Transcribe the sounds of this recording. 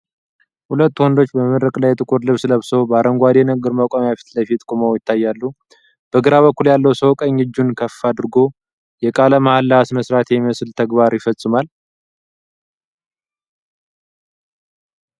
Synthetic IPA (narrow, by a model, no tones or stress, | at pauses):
hulət̪ːwɔnd̪o̞t͡ʃːbəmɨɾəkʼlajːɛt̪ʼɨkʼuɾlɨβsɨləβsowbaɾəŋɡʷad̪enəɡɨɾmakʼamjafi̥t̪ləfit̪kʼuməwjɪt̪ʰːajːalːu | b̥əɡɨɾaβəkːuljalːəwsəwkʼəɲːɨd͡ʒːunkʰəfːad̪ɨɾɡo̞ | jɛkʼaləmahalːaasməsɾat̪jɛmiməsɨlt̪ʰəɡbaɾjɪfəsʼːɨmal